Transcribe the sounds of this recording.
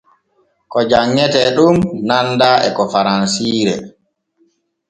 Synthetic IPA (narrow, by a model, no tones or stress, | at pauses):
kɔd͡ʒaŋːɛtɛɗumnandaɛ̰kɔfaɾansiːɾɛ̰